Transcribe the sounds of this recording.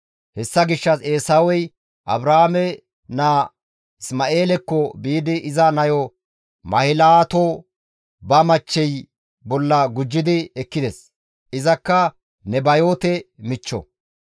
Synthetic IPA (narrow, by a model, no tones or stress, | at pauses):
hɛsːɐɡɪʃːɐse̞ːsaːwɔj | ʔɐ̰bɾahamɛ | naː | ɪsmɐʔe̞ːlɛkːɔbiːd̪ɪʔɪzɐnɐjɔ | mɐhɪlaːt̪o | bɐmɐt͡ʃːɛj | bɔlːɐɡʊd͡ʒːɪd̪ɪɛkːɪd̪ɛs | ʔɪzɐkːɐ | nɛbɐjo̞ːt̪ɛmɪt͡ʃːɔ̰